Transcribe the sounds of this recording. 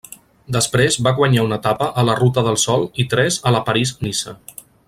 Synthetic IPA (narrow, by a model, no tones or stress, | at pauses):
d̪əspɾezβaɣwəɲaunət̪apəʔələrut̪əðəlˠsɔlˠit̪ɾɛzələpəɾiznisə